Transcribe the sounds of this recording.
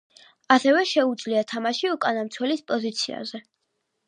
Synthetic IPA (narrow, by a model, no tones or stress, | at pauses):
asɛvɛʃɛud̪zliat̪ʰamaʃiukʼanamt̪sʰwɛlispʼɔzit̪sʰia̰zɛ